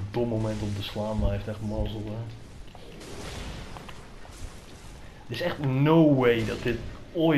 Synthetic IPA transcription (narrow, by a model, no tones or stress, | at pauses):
domomɛntɔpdəslaːmajftɛxtmɔzəlˠɛ | dəɪsɛxtnowwejdɔt̚dɪto